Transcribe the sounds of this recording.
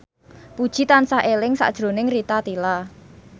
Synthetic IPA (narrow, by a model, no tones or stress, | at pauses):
pud̥ʒ̥i̤t̪ansahʔelɪŋsa̰ʔd̥ʒ̥ɾo̤nɪŋrit̪at̪ila